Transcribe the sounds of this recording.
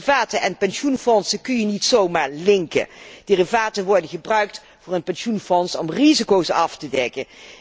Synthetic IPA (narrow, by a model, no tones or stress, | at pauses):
vaːtəʔɛnpɛnʃunfɔnsəkɵnjənitsowmaːɹlɪŋkə̰d̥ɪrivaːtənʋɔɹdənχəbrœɥk̚t | vʊːɹənpɛnʃunfɔnsɔmrizikowsɑftədɛkə